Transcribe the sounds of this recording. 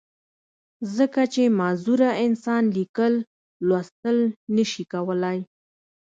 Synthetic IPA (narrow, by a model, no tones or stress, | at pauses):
zəkat͡ʃemɑzuɾaɪnsɑnlikəlː | wast̪əlnəʃikawəlaj